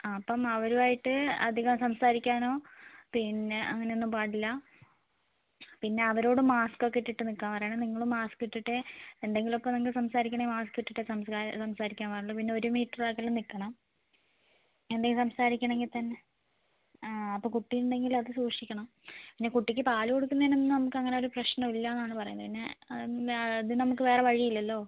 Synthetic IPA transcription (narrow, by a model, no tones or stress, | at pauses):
ɐpːɐmɐʋɐɾuaːjiʈːɨɐ̰d̪ʱiɣɐmsɐmsaːɾikʲːaːno̞ːpinːe̞ʔɐ̰ŋːɐne̞onːumpaːɽilːɐ | pinːe̞ɐʋɐɾo̞ːɽɨmaːsko̞kːeiʈːiʈːɨnikːaːnpɐrɐjaːɳɨniŋːɐɭumːaːskiʈːiʈːeend̪e̞ŋɡilopːɐmnɐŋːkɭsɐmsaːɾikʲːɐɳɐmaːskɨiʈːiʈːesɐmsaɾsɐmsaːɾikʲːaːnpɐɳɭːɐpinːe̞o̞ɾumiːʈːɐrlaːkːelumnikːɐɳɐm | end̪eŋɡilsɐmsaːɾikʲːɐɳe̞ŋɡilt̪ɐnːe̞ | ɐpːoːkuʈːijuɳɖe̞ŋɡilɐðɨsuːʂikʲːɐɳɐm | pinːe̞kuʈːikʲːɨpaːluko̞ɽukːunɐðinenːɨnɐmukːɨɐŋːɐne̞o̞ɾuprɐɕnɐmilːɐenːaːɳɨpɐrɐjund̪ɐpinːe̞ | ɐðɨnɐmukːɨʋe̞ːreʋɐɻijilːɐlːo̞ː